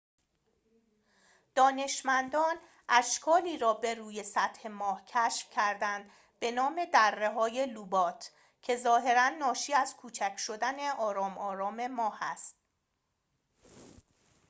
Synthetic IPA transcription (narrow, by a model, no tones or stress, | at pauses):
d̪̥ɒːne̞ʃmænd̪ɒːn | ʔæʃkʰɒːliːɾɒːbe̞ruːje̞sæt̪he̞mɒːhcʰæʃfcʰæɾd̪ænd̪ | b̥e̞nɒːme̞d̪ærːe̞ɦɒːje̞lubɒːt̪ʰ | cʰe̞zɒːɦe̞ɾænːɒːʃiːæz̥kʰuːt͡ʃʰæcʰʃo̞d̪æne̞ʔɒːɾɒːmɒːɾɒːme̞mɒːhæst̪̚